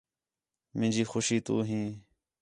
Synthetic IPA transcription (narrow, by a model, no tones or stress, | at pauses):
mɪ̃nd͡ʒiːxʊʃiːt̪ṵːɦĩː